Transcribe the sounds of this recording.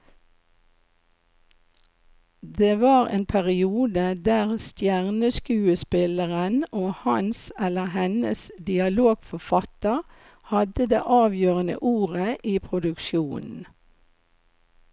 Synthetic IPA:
d̪eːʋɑːʁḛːnpʰæʁɪuːd̪əd̪æːʁst̪jæʁnəskʉːəspɪləʁənoːhɑnsɛləhɛnəsd̪ɪɑloːɡ̥fɔfɑt̪əʁ | hɑd̪əd̪ḛːʔɑːʋjøːʁənə̰ʔuːʁəʔiːpʰʁʊd̪ʉkʃjuːnn̩

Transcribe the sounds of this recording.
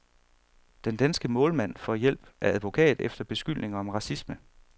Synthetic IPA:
d̥end̥ænsɡ̥əmɔ̽ːlmæn̰fɒjel̰b̥ʔæɐæðˠʋo̝kʰɛ̰ːð̩ˠefd̥ɐb̥e̝sɡ̥yl̰ne̝ŋɐɒ̽mʁɑ̈sismə

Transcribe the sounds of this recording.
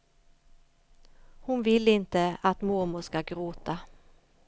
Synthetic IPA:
hʊnvɪlːɪnt̪əat̪mʊɾmʊskaɡɾoːt̪a

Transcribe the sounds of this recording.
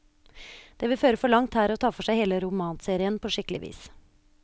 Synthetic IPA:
d̪̥eːʋɪlføːɾəfɔɭɑŋt̪hæːɾɔt̪ʰɑːfɔʂæɪheːləɾʊmɑːnseːɾɪənpʰɔːʂɪkəlɪʋḭːs

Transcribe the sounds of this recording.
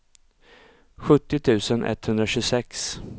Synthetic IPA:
ɧɵt̪ːɪt̪ʰʉ̟ːsənʔɛ̰t̪ːhɵnd̪ɾaɕɵsɛks

